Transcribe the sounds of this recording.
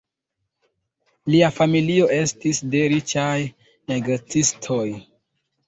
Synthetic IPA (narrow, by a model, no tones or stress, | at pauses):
liafamilio̞ʔe̞stisde̞ɾit͡ʃaj | neɡot͡sistʰo̞j